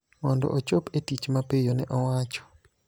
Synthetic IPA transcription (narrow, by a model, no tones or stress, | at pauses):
mɔndɔ̰ʔot͡ʃopetit͡ʃmapejonɛʔɔwat͡ʃɔ̥